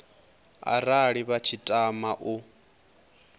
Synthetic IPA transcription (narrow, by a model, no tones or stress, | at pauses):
a̰ɾaɺiβat͡ʃʰitʼamaʔu